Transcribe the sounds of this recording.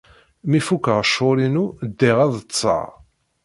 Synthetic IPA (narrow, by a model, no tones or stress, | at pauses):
mifukəʁəʃʊɾinud̪ːiʁæðˤət͡sːɑ̰ʁ